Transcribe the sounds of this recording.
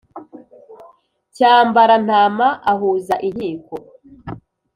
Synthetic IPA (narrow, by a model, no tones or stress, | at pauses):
caːmbaɾan̥aːmaʔaɦuːzaʔin̥hiːko